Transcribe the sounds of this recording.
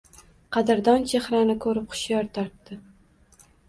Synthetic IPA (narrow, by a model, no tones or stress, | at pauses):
qʰɑd̪ɪɾd̪ɒnt͡ʃʰehɾanɪkʰɵɾɪp̚qʊ̥ʃjɒɾt̪ʰɒɾt̪ːɪ